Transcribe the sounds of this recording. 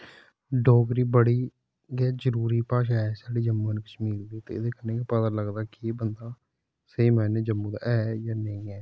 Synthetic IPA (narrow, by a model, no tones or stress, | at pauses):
ɖɔːɡɾiːbəɽiː | ɡɛːd͡ʒəɾuːɾiːpaːʃaːɛsaːɖiːd͡ʒəmːuneːkɪt͡ʃʰmiːlb̪iːt̪ḛːɪd̪eːkəneːkepəd̪ələɡd̪aːkebənd̪aː | seiːmɛ̃ːneːd͡ʒəmːũːd̪a̰ːʔɛːjaːneĩːɛː